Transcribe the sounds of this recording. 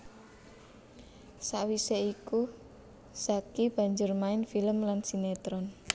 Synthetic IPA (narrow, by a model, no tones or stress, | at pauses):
saʔwiseiku | sakib̥a̤ɲd͡ʒʊrmaɪnfiləmlansinet̪ɾɔn